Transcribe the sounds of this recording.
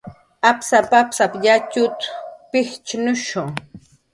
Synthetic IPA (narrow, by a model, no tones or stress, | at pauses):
apsapapsapʎat͡ʃʊt̪pɪxt͡ʃnʊʃoŋ